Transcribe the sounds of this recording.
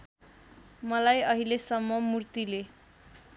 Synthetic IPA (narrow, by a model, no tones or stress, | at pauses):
mʌlajʌɦilesʌmːʌmurt̪ile